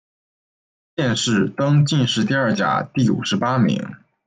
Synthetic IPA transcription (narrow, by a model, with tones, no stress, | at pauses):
ɕjɛ˥˧nʂɻ̩˥˩t̪ɤ˥ŋt͡ɕi˥˧nʂɻ̩˥˧t̪i˥˧ɐ˥˩t͡ɕja̰˨˩t̪i˥˩ṵ˨˩ʂɻ̩˧˥pa˥mḭ˧˥ŋ